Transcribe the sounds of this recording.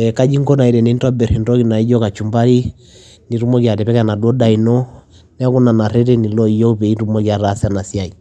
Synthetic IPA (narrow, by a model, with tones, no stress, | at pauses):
ɛka˦d͡ʒi˦ŋɡɔ˦na˨i˨ɾɛ˨nɛ˨ntɔ˦bɛ˨ɾi˨ndɔ˦ki˨na˨i˦d͡ʒɔ˦ka˨t͡ʃumba˦ɾi˦ | ni˨ɾu˦mɔ˦kja˨ɾɛ˨pɛ˦ka˨na˨dɔ˦da˨i˨nɔ˦ | nɛ˦ku˦na˨na˨ɾɛɾɛ˦ni˨lɔ˦i˨jɔ˦u˦pɛ˨i˦nɾu˦mɔkja˨ɾasana˨si˦a˨i˨